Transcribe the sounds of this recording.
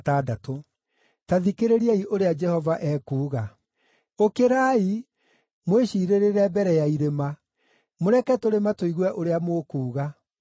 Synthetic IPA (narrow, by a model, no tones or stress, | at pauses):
taːdato | taðikeɾeɾiaiʔoɾead͡ʒɛhɔvaʔɛːkuːɣa | okeɾaːi | mweɕiːɾeɾeɾɛbɛɾɛjaiɾema | moɾɛkɛtoɾematoiɣwɛʔoɾeamoːkuːɣa